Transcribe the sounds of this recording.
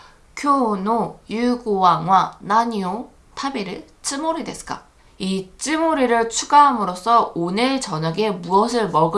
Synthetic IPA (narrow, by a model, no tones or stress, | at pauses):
kʰjonojuɡuwaŋwanaɲio | tʰabeɾɯ | t͡ɕ͈imoɾidwe̞sʰk͈a̰ | it͡ɕ͈imoɾiɾɯɭt͡ɕʰuɡaɦamɯɾos͈ʰʌonɯɭt͡ɕʌɲaɡe̞muʌsʰɯɭmʌɡɯ